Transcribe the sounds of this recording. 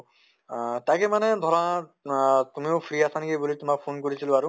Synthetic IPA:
takɛmanɛd̪ʱɔɹã | t̪umiopʰɾiasankebulitumak̚pʰonkoɹisʰilõaɾʊ

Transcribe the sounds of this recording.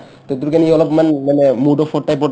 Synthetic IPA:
t̪ɔt̪̬uɾkaniɔlɔpmanmanɛmudɔpʰɔtːajpɔ

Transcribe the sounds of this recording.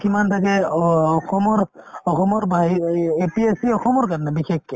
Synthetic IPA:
kimant̪ʰakɛɔxɔmɔɾɔxɔmɔɹbʱaɦiepiesiɔxɔmɔɾkaɾnɛbixekːe

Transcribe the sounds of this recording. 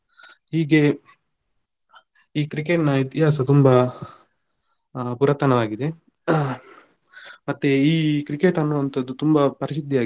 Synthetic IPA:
hiːɡe̞ | iːkɾikeʈnɐit̪ijaːsɐt̪umbɐ | puɾɐt̪ːɐnɐʋaːɡid̪e̞ | mɐt̪ːeiːkɾikeʈɐnːuʋɐnt̪ʰɐd̪ːut̪umbɐpɐɾiʃid̪ʱːijaː

